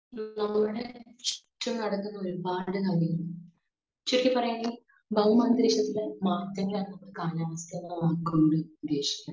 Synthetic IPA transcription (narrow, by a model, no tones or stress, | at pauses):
nɐmːuɽet͡ɕi̥tːumnɐɽɐkːunːɐo̞ɾubaːɽɨnɐɣɐjɐm | t͡ɕːirikʲːɨpːɐrɐjeŋɡil | bʱɐɣɐmaːnd̪ɾiːɕɐt̪ːilemaːt̪ːjɐŋːɡɐɭaːnnɐmːuɭkaːnaːʋɐsjɐŋːɐɭːɐaːkːumuːɽiud̪ːe̞ːɕi̥kʲːa